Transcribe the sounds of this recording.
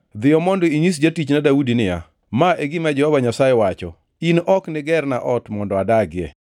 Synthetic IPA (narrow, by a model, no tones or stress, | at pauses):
d̪ɪjɔmɔndɔiɲis̬d͡ʒatit͡ʃnadaudinɪja̰ | maʔeɡɪmad͡ʒɛhɔbaɲasajɛwat͡ʃɔ̰ | inʔɔknɪɡɛrnaʔɔtmɔndɔadaɡɪɛ̰